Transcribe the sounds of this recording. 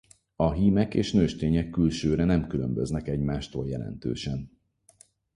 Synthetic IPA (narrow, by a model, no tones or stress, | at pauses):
ɒɦiːmɛkeːʃnøːʃt̪eːɲɛkːylʃøːɾɛnɛmkylø̰mbøznɛkɛɟmaːʃt̪oːljɛ̰lɛ̰nt̪ø̰ːʃɛn